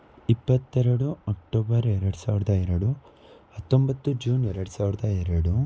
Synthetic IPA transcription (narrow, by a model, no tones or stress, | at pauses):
ipːɐt̪ːɛɾɐɽuɐk̚ʈoːbɐɾɛɾɐɽusaːʋiɾɐd̪ɐɛɾɐɽu | hɐt̪ːombɐt̪ːud͡ʒuːnɛɾɐɽusaːʋiɾɐd̪ɐɛɾɐɽu